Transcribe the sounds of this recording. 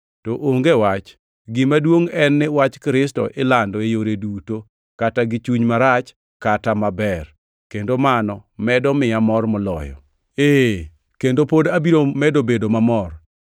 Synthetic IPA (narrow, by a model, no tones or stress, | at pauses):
tɔʔoŋɡewat͡ʃ | ɡɪmadwoŋɛnːɪwat͡ʃkɾɪstɔ̰ʔɪlandɔejoɾeduto | kataɡɪt͡ʃuɲmaɾat͡ʃ | katamabɛr | kendomanɔmɛdɔmɪamɔrmɔlɔ̰jɔ̰ | e | kendopodabiɾomɛdobedomamɔr